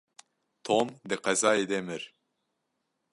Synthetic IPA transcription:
t̪ʰoːmd̪ɨqɛzɑːjed̪ɛmɨɾ

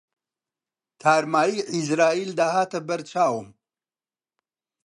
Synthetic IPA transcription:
t̪ʰaːɾmaːjiʔizɾaːiːld̪aːhaːt̪ɐbɐɾt͡ʃaːwɨm

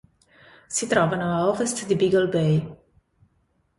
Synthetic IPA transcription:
sit̪ɾɔːvanoaɔvɛst̪d̪ibiɡɔlbej

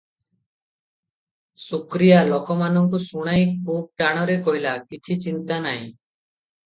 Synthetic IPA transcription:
sukɾijalɔkɔmanɔŋkusuɽ̃aj̃kʰub̚ʈaɽ̃ɔɾekɔɦilakit͡ʃʰit͡ʃint̪anaɦḭ̃

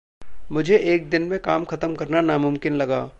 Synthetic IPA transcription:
mʊd͡ʒʱeʔeːk̚d̪ɪnmẽkaːmxɐt̪əmkɐɾnanamʊmkɪnlɐɡaː

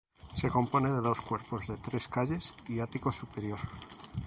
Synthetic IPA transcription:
seko̞mponeðeðoskweɾpozðet̪ɾeskaʎe̞siat̪ikosupeɾjoɾ

